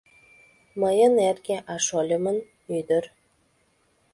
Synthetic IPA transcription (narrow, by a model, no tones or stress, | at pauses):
məjənerkeʔɑʃolʲə̆mən | yd̪ər